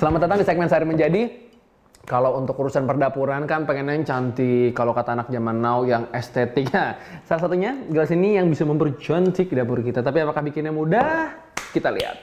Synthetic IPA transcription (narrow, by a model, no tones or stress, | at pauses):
səlamat̪ant̪aŋdisɛɡ̚mɛnsaɾiməɲd͡ʒadi | kalawunt̪ʊkuɾusanpərdapuɾankanpaŋanaɲt͡ʃant̪ikalokat̪aːnak̚d͡ʒamanːawjaŋɛst̪ɛt̪ɪkjasalasat̪uɲaɡalasinijaŋbisaməmbərd͡ʒɔnsikidapuɾkit̪at̪apiapakahbikɪnɲamudah | kit̪alḭa̰t̪̚